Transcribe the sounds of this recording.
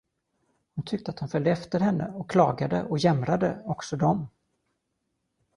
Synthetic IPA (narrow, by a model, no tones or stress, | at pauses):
hʊnt̪ʰʏk̚t̪əat̪hʊnfœld̪əɛft̪əɾhɛnːʔə̰ɔkːʰlɑːɡad̪ə̰ʔɔjɛmɾad̪əɔksɔd̪ɔm